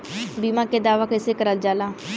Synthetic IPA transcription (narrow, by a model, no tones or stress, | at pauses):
biːmãːkeːd̪aːʋaːkɪseːkəɾəld͡ʒaːlaː